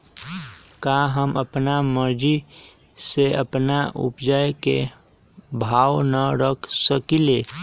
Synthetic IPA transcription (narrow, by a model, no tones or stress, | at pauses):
kaɦəməpnaməɾd͡ʒi | seəpnaʔʊ̰pd͡ʒajkḛ | bʱaːwnəɾəkʰsəkileː